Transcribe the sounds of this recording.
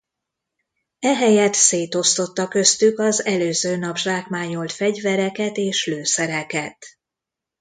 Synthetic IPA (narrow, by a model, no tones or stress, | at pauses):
ɛɦɛjɛt̪seːt̪o̞st̪o̞t̪ːɒkø̞st̪ykɒzɛløːzøːnɒbʒaːkmaːɲo̞lt̪fɛɟvɛɾɛkɛt̪eːʃløːsɛɾɛkɛt̪